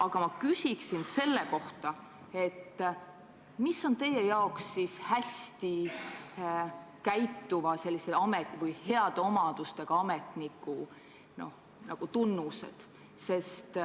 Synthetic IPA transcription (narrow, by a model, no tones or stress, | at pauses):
ɑɡ̥ɑmɑkysʲiksinse̞lːe̞ko̞ht̪ɑ | e̞t̪ː | misːo̞nt̪e̞je̞jɑo̞ksːishæsʲt̪i | kæjt̪ːuvɑse̞lːise̞ɑmet̪vɯjhe̞ɑd̪̥eo̞mɑd̪̥ust̪e̞ɡ̥ɑɑme̞t̪nikːˑu | no̞̰h | nʔɑɡ̥ut̪unːuse̞̰d̪̥ | se̞st̪